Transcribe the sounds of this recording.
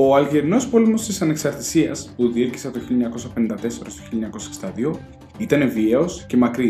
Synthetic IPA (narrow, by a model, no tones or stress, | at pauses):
o̞ɐlʝeɾino̞spo̞lemo̞st̪isɐne̞ksɐɾt̪i̥siɐ̰spuðieci̥sɐt̪oçiljoɲɐko̞sɐpe̞nind̪ɐt̪e̞se̞ɾost̪oçiljoɲɐko̞sɐe̥ksind̪ɐðio̞ | it̪ɐne̞vieosce̞mɐkɾi